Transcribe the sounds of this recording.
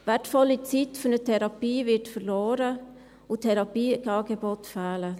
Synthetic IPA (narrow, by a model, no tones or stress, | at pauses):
vɛtfɔlːit͡sitfʊnətʰɛɾɑpiːvɪtfərloːɾə | ʊtʰɛɾɑpiːɡɑːɡebɔtfæːlə